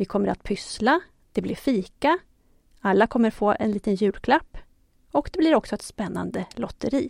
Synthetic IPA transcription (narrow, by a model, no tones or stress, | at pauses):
vɪkʰɔmːəɾʔa̰t̪pʰʏsla | d̪̥ɛblɪɾfiːka | alːakʰɔmːəɾfoːʔɛ̰nliːt̪ənjʉ̟ːlkʰlapː | ɔkd̪ɛblɪɾɔksɔɛt̪spɛnːa̰nd̪əlɔt̪ːəɾiː